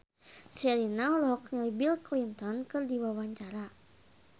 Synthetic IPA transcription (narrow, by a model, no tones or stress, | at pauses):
sɛlinalɔɔkɲalibilklint̪ɔnkɨrdiwawaɲt͡ʃaɾa